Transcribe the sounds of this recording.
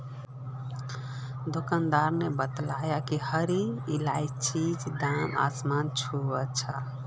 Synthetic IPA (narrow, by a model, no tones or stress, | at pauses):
d̪okand̪aɾnebət̪lajakihəɾiilajt͡ʃid͡ʒd̪ama̰smant͡ʃʰuət͡ʃʰa